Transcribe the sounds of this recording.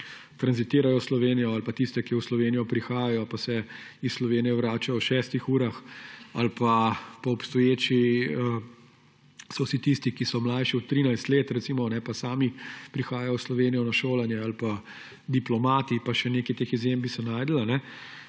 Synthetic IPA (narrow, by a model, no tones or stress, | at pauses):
t̪ɾanzit̪iːɾajɔslɔʋeːnijɔalpat̪ist̪ɛkiwslɔʋeːnijɔpɾixaːjajɔpasɛ | isslɔʋeːnijɛwɾaːt͡ʃajɔwʃɛːst̪ixuːɾaxalpapɔɔpst̪ɔjeːt͡ʃiə | sɔwsit̪ist̪ikisɔmlajʃiɔt̪ːɾiːnajst̪leːt̪ɾɛt̪siːmɔnɛpasaːmipɾixaːjajɔwslɔʋeːnijɔnaʃoːlanjɛalpa | d̪iplɔmaːt̪ipaʃɛneːkɛt̪eːxizjembisɛnaːjd̪əlanɛ